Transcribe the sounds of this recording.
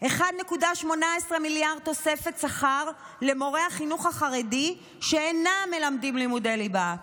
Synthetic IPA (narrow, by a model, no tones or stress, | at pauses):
ʔe̞χad̪ne̞kudaʃmo̞naesʁemiljaʁd̚t̪o̞se̞fetsaχaʁ | le̞mo̞ʁe̞haχinuχhaχaʁedi | ʃeːname̞lamdimlimudeliba